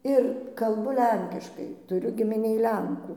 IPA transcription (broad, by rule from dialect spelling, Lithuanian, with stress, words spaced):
ˈɪr kɐlˠˈbʊ ˈlʲɛŋʲkʲɪʃkɐɪ ˈtʊrʲʊ ɡʲɪmʲɪˈnʲeːj ˈlʲɛŋkuː